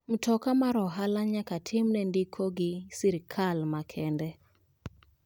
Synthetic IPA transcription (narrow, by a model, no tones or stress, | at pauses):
m̩tʰɔkamaɾɔɦalaɲakatʰɪmnɛndikʰoɡɪsiɾkʰalmakʰɛndɛ